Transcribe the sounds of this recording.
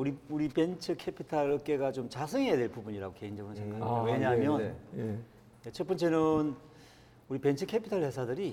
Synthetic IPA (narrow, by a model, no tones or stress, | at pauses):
uɾiuɾipe̞nt͡ɕʰɯkʰepʰitʰaɭk͈e̞ɡat͡ɕomt͡ɕasʰɯŋɦejadwe̞ɭpubuɲiɾa̰ɡoke̞ind͡ʑʌɡɯnsʰaŋkʰaweɲaɦamjʌn | et͡ɕʰʌp͈ʌnt͡ɕe̞nɯn | uɾipe̞nt͡ɕʰɯkʰepʰi̥tʰaɭhe̞sʰadɯɾi